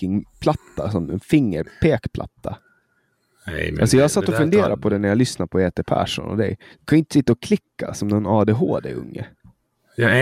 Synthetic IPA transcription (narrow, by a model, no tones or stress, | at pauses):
ɪŋpʰlat̪ːasɔmɛ̰nfɪŋːəɾpʰeːkpʰla̰t̪ːa | ɛ̰ʔalsɔjɑːhaɾsat̪ːɔfɵnd̪eːɾʔa̰pʰɔd̪ɛnæɾjalʏsnapʰɔeːt̪epʰæ̰ːʂɔ̰nɔ̰vd̪ɛ̰jjɑkʰanʊɪnt̪ə̥sɪt̪ːaɔkʰlɪkːasɔmd̪ɛnɑːd̪eːɦo̰ːd̪ɛ̰ɵ̰ŋːə̰